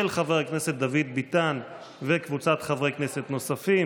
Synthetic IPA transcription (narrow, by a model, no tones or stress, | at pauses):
elχaveʁkneset̪̚d̪avid̪̚bit̪an | vekvut͡sat̪χavʁekneset̪no̞safi